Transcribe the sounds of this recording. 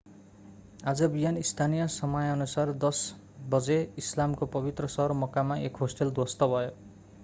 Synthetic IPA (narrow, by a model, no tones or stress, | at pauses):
ad͡zʌbijanist̪ʰanijʌsʌmʌjʌnusard̪ʌs | bʌd͡zeislamkopʌbit̪rʌsʌɦʌrmʌkamaʔekɦosʈeld̪wost̪ʌbʱʌjo